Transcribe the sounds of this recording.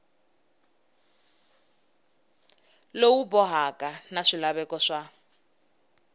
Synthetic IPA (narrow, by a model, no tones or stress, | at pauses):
lowubɔɦakanaʂilaβɛkɔʂa